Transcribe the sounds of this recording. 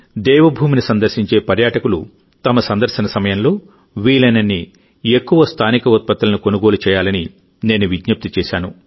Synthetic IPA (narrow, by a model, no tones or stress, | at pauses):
d̪ɛːʋɐbʱuːminisɐnd̪ɐɾʃiɲt͡ʃe̞ːpɐɾjaːʈɐkulṵ | t̪ɐmɐsɐnd̪ɐɾʃɐnɐsɐmɐjɐnlo̞ː | ʋiːlɐnɐnːi | ekːuʋɐst̪ʰaːnikɐut̪̚pɐt̪ːɐlɐnuko̞nuɡo̞ːlut͡ʃɛːjaːlɐni | ne̞ːnuʋid̪ɲup̚t̪it͡ʃɛːʃaːnu